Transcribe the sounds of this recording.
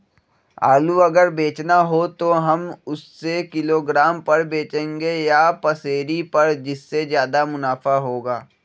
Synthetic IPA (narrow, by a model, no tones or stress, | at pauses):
a̰ːluɐɡəɾbeːt͡ʃnaɦot̪oɦɐmʊsːekɪloːɡɾaːmpɐɾbeːt͡ʃẽːŋɡejapɐseːɾipɐɾd͡ʒɪsːezjaːd̪amʊnaːfaɦoːɡaː